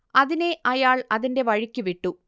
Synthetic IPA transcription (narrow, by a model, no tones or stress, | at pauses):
ɐðineʔɐjaːɭɐðinde̞ʋɐɻikʲːuʋiʈːu